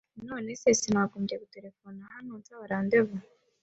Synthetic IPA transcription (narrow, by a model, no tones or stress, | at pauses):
noːnesesinakomdekuteɾefonahanontawaɾaːnd̪eβa